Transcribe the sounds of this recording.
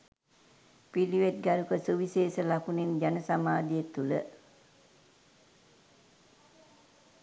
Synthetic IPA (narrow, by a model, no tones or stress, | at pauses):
piliʋet̪̚ɡæɾukəsuʋiseːsəlakunend͡ʒanəsamaːd̪ijet̪ulə